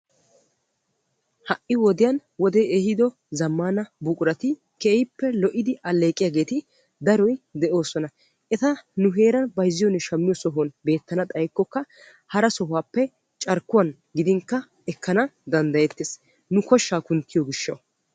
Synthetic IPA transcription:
hɐʔɪwɔd̪ɪjɐnwɔd̪eʔehɪd̪ɔ | zɐmːaːnɐbʊkʼʊɾɐt̪ɪ | keːjɪpːɛlɔʔɪd̪ɪɐlːe̞ːkʼːɪjaːɡe̞ːt̪ɪ | d̪ɐɾɔjd̪ɛʔo̞ːsɔnɐ | ʔɛt̪ɐnʊɦe̞ːɾɐnbɐjzːɪjɔnːɛʃɐmːɪjɔsɔɦɔnbe̞ːt̪ːɐnɐt̪ʼɐjkːɔkːɐ | hɐɾɐsɔɦʊwaːpːɛ | t͡ʃʼɐɾkːʊwɐn | ɡɪd̪ɪŋkːɐ | ɛkːɐnɐd̪ɐnd̪ɐjɛt̪ːeːs | nʊkɔʃːaːkʊnt̪ːɪjɔɡɪʃːɐ̰w

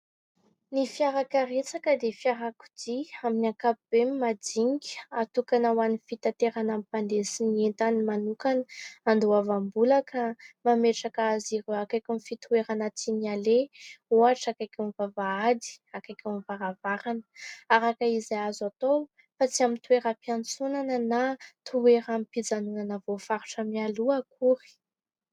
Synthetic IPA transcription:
nifiaɾakəɾet͡sakəd̪efiaɾaku̥d̪iaminiakapub̥emimad̪iŋɡʲat̪ukanəwanifit̪at̪eɾanamipand̪esinient̪animanukanəand̪oavambulakəmameʈ͡ʂakaaziɾoakajkʲumifit̪uweɾanat͡sinialeoaʈ͡ʂakajkʲumvavaad̪i̥akajkʲumivaɾavaɾanə̥aɾakəizajazat̪ow | fat͡siamit̪ueɾəpjant͡sunanənat̪ʰueɾamipid͡zanunanəvofaɾuʈ͡ʂəmialuakʰuɾi̥

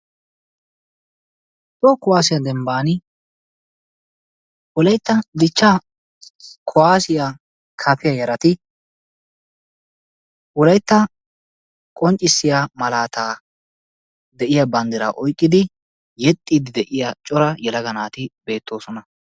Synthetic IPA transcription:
t̪ɔkʊwaːs̬ɪjɐd̪ɛmbaːnɪ | wɔlɐjt̪ːɐd̪ɪt͡ʃːaː | kʰɔwaːsɪja | kʰɐpɪjɐjɐɾɐt̪ɪ | ʊɔlɐjt̪ːɐ | kʼɔnt͡ʃʼːɪsːɪjamɐlaːt̪aː | d̪ɛʔɪjabɐnd̪ɪɾa̰ːʔɔjkʼːɪd̪ɪ | jɛt̪ʼːiːd̪ɪd̪ɛʔɪjat͡ʃʼɔɾɐjɛlɐɡɐnaːt̪ɪbe̞ːt̪ʰːo̞ːsɔnɐ

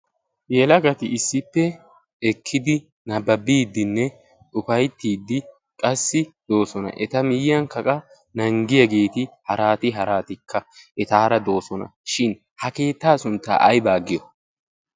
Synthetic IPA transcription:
jɛlɐɡɐt̪ɪʔɪsːɪpːɛ | ɛkʰːɪd̪ɪ | nɐbːɐbiːd̪ːɪnːɛ | ʊfɐjt̪ːiːd̪ːɪ | kʼɐsːɪd̪̥o̞ːsɔnɐ̰ʔɛt̪ɐmɪjːɐŋkɐkʼɐ | nɐŋɡɪjɐɡe̞ːt̪ɪhɐɾaːt̪ɪɦɐɾaːt̪ɪkʰːɐʔɛt̪aːɾɐd̪o̞ːsɔnɐ̰ʃɪn | hɐke̞ːt̪ːaːsʊnt̪ːa̰ːʔɐjbaːɡɪjɔ

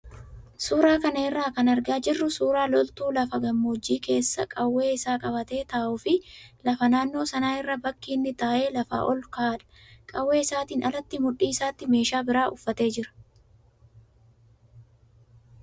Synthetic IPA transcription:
suːɾaːkɐnɐɪrːaːkɐnɐɾɡaːd͡ʒɪrːʊsuːɾaːlɔlt̪uːlɐfɐɡɐmːoːd͡ʒːiːke̞ːsːɐkʼɐwːe̞ːɪsaːkʼɐβɐt̪e̞ːt̪ɐːʔʊːfɪlɐfɐnaːnːo̞ːsɐnaːɪrːɐbɐkːiːnːɪt̪aːʔe̞ːlɐfa̰ːʔɔlkaːᶑɐ̥ | kʼɐwːe̞ːɪsaːt̪iːnɐlɐt̪ːɪmʊᶑːiːɪsaːt̪ːɪme̞ːʃaːbɪɾaːʔʊfːɐt̪e̞ːd͡ʒɪɾɐ̥

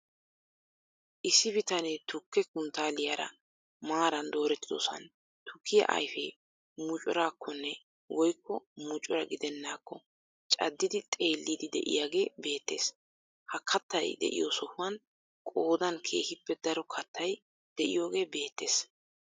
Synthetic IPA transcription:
ʔɪsːɪbɪt̪ɐnet̪ʊkːɛkʊnt̪aːlɪjaɾɐ̰ | maːɾɐnd̪o̞ːɾɛt̪ːɪd̪ɔ̰sɐ̰n | t̪ʊkʰːɪjɐ̰ʔɐ̰jfeː | mʊt͡ʃʼɔɾaːkːɔnːɛ | wɔjkːɔmʊt͡ʃʼɔɾɐɡɪd̪ɛnːaːkːɔ | t͡ʃʼɐ̰d̪ːɪd̪ɪt̪ʼe̞ːlːiːd̪ɪd̪ɛ̰ʔɪ̰jaːɡe̞ːbe̞ːt̪ːe̞̰ːs | hɐkʰːɐt̪ːɐjd̪ɛ̰ʔɪ̰josɔhʊwɐn | kʼo̞ːd̪ɐnkʰe̞̰ːhɪpːɛd̪ɐɾɔkʰɐt̪ːɐj | d̪̥ɛʔɪ̰jo̞ːɡe̞ːbe̞ːt̪ːe̞ːs

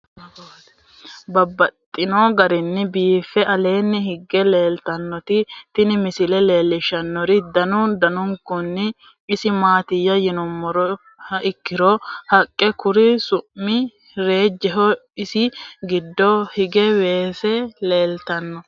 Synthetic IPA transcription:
bɐbːɐt̪ʼːɪnoɡɐɾɪnːɪbiːfːɛʔɐle̞ːnːɪhɪɡːɛle̞ːlt̪ɐnːɔt̪ɪt̪ɪnɪmɪsɪlɛle̞ːlːɪʃɐnːɔɾɪd̪ɐnʊd̪ɐnʊŋkʊnːɪː | sɪmaːt̪ɪjːɐjɪnɔmːɔɾɔ | ɪkːɪɾɔhɐkʼːɛkʊɾɪsʊʔmɪ | ɾe̞ːd͡ʒːɛɦɔɪsɪɡɪd̪ːɔhɪɡɛwe̞ːsɛle̞ːlt̪ɐnːɔ

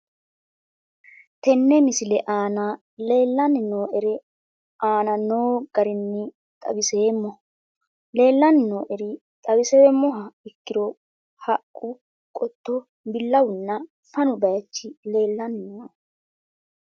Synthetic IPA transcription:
t̪ɛnːɛmɪsɪlɛʔaːna | le̞ːlːɐnɪno̞ːʔɛɾɛ | ʔaːnɐnoːɡ̥ɐɾɪnːɪ | t̪ʼɐ̰bɪseːmːɔ | le̞ːlːɐnɪnoːʔɛɾɪ | t̪ʼɐbɪseːmːɔɦɐɪkːɪɾɔ | hɐkʼːʊ | kʼɔt̪ːɔ | bɪlːɐwʊnːɐ | fɐnʊbɐjt͡ʃːɪle̞ːlːɐnɪno

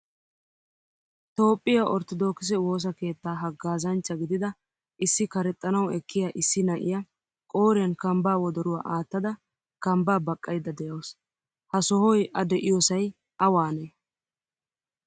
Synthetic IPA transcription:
t̪o̞ːpʼːɪjaʔɔɾt̪ɔd̪o̞ːkɪs̬ɛwo̞ːs̬ɐke̞ːt̪ːaːɦɐɡːaːzɐnt͡ʃːɐɡɪd̪ɪd̪ɐ | ʔɪsːɪkɐɾɛt̪ʼːɐnɐwɛkːɪjaʔɪsːɪnɐʔɪ̰jɐ | kʼo̞ːɾɪjɐnkɐmbaːwɔd̪ɔɾʊwaːʔaːt̪ːɐd̪ɐ | kɐmbaːbɐkʼːɐjd̪ːɐd̪ɛjɐws | hɐsɔhɔjɐd̪ɛʔɪjɔsɐj | ʔɐwaːneː

